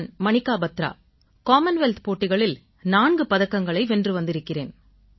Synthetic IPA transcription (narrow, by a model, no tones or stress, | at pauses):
nmɐnɪkːaːbɐt̪ːɾa̰ː | kaːmɐnʋɛlt̪poːʈːɪɣɐɭɪl | naːɳɡɯpɐðɐkːɐŋɡɐɭɐɪʋɛndrɯʋɐnd̪ɪɾɯkːɪreːn